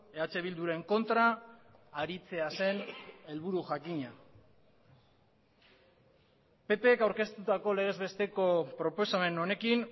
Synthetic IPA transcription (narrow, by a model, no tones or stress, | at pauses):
eat͡se̞β̞ild̪uɾe̞ŋko̞nt̪ɾaː | ɾit͡se̞ase̞ne̞lβuɾuʝakiɲa | pe̞pe̞ːkawɾke̞st̪ut̪ako̞le̞ɣ̞e̞zβe̞st̪e̞ko̞pɾo̞po̞same̞no̞ne̞kin